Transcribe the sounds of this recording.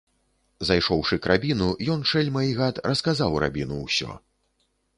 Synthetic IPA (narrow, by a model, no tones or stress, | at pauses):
zajʂɔwʂɨkɾabʲinujɔnʂɛlʲmɐiɣat̪rɐskazawɾa̰bʲinuwsʲɔ̰